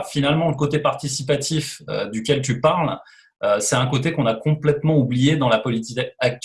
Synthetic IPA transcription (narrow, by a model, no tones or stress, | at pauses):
finalmɑ̃ləkot̪epaʁt̪isipat̪ʰifø̰d̪ykʲɛlt̪̬ypaʁl | øsɛt̪ɛ̃kot̪ekɔ̃nakɔ̃plɛt̪mɑ̃ublijed̪ɑ̃lapɔlit̪ikak̚t̪